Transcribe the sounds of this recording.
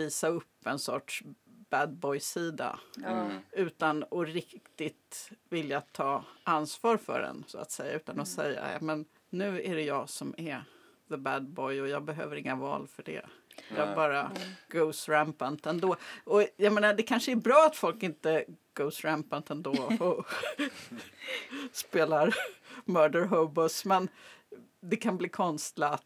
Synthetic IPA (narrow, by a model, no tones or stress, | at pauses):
viːsaɵpːɛnsɔʈʂb̥æd̪̚bɔjsiːd̪a̰ | ʉ̟ːt̪anɔɾɪkt̪ɪt̪vɪljat̪ʰɑːansvɑːɾfœ̰ɖɛ̰nsʊa̰t̪sɛjːa̰ʔʉ̟ːt̪anɔsɛjːa̰jɑ̰ːmɛnː | ʉ̟ːæɖɛjɑːɡsɔmæɾ | ðəbæd̪̚bɔjɔjɑːɡbɛɦø̰ːvəɾɪŋːavɑ̰ːlfœɖɛ̰jɑːɡbɑːɾaɡ̥oʊsɾɛmpant̪ɛnd̪oːɔjameːnaɖ̪ɛkʰanʂəæɾbɾɑːat̪fɔlkɪnt̪əɡ̥oʊsɾæmpant̪ɛnd̪oɔ | speːlaɾmœːɖəɾɦoʊbɔsmɛn | d̪ɛkʰanbliːkʰɔnst̪lɪ